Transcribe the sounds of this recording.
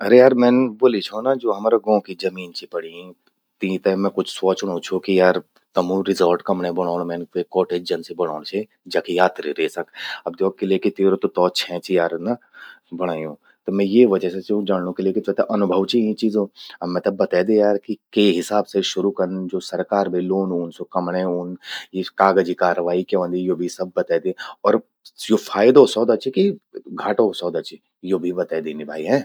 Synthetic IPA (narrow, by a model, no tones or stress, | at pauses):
ɐɾejaːɾmɛ̃ːnboːlit͡ʃʰonad͡ʒoːɦɐmaːɾaɡɔ̃ːkid͡ʒɐmiːnt͡ʃʰipɐɽĩ | t̪ĩt̪emɛ̃kʊt͡ʃʰsoːt͡ʃʊɽ̃õt͡ʃʰokijaːɾ | t̪ɐmũɾɪzəlʈkɐmɽẽbɐɽ̃aːɽ̃mɛ̃ːnʋekɔːʈeːd͡ʒd͡ʒɐnsibɐɽ̤̃a̰ːɽ̃t͡ʃʰe | d͡ʒaːkijaːt̪ɾḭɾeːsɐkɐb̚d̪ɔːk̚kːeliekit̪eːɾot̪ot̪ɔːt͡ʃʰɛ̃t͡ʃʰijaːɾna | bɐɽ̤̃aːjũ | t̪omɛ̃jeʋɐd͡ʒɛset͡ʃod͡ʒaːɳnõkeliekit̪ɛt̪eʔɐnʊbʱəʋt͡ʃiĩt͡ʃiːzõɐmɛ̃t̪ɐbːɐt̪aːd̪ejaːɾkikeɦɪsaːbseʃʊɾukɐɾnd͡ʒoːsɐɾkaːɾbʱiloːnuːnsokɐmɽ̃euːnjekaːɡəd͡ʒikaːɾəʋaːikeʋə̃nd̪ijoːbʱisɐb̚ːɐt̪aːd̪eɔːɾ | jofʰaːjd̪osɔːd̪at͡ʃikiɡʱaːʈosɔːd̪at͡ʃi | joːbʱibɐt̪aːd̪eːnibʱaːiɦɛ̃ː